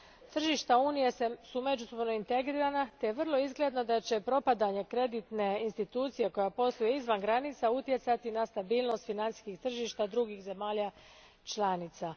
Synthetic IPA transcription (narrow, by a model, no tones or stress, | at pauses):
t̪r̩ʒiːʃt̪auːnije̞sesume̞d͡ʒuso̞bno̞int̪e̞ɡɾiːɾanat̪ejeʋər̩lˠo̞izɡle̞d̪no̞d̪at͡ɕe̞pɾo̞pad̪aɲe̞kɾe̞d̪it̪ne̞inst̪it̪uːt̪sije̞ko̞japo̞slˠujeizʋanɡɾanit̪saut̪je̞t̪sat̪inast̪abiːlˠno̞st̪finansi̥skixt̪r̩ʒiːʃt̪ad̪ɾuɡixze̞maːʎa | t͡ʃlanit̪sa